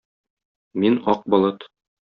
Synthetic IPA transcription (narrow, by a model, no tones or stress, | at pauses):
minɒq̚bɒ̆lˠɤt̪